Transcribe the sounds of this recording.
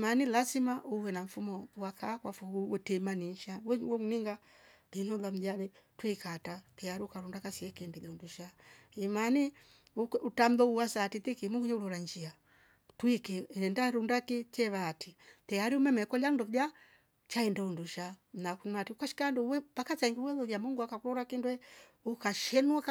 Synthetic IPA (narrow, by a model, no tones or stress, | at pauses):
imanilazimaʔuwɛnaɱ̩fumɔwakakwafuuwɛtɛmaninʃawɛwɛmuniŋɡa | linulam̩d͡ʒalɛ | twikatatɛaɾiukaɾundakasiɛkːndɛlɛunduʃa | imani | ukutam̩lɔuwasatit̪ikimuɡuɲɛulɔɾaɲd͡ʒia | twikiɛndaɾundakit͡ʃɛβaːtitɛaɾiumɛmɛkɔlandɔd͡ʒa | t͡ʃaɛndaunduʃam̩nakumatiukaʃi̥kandɔwɛpakat͡ʃaiŋɡiwɛlɔjamuŋɡwakakuɾɔɾakindwɛukaʃɛnwa